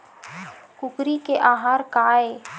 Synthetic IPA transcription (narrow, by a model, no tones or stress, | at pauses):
kʊkɾikeʔaːɦaːɾkaːeː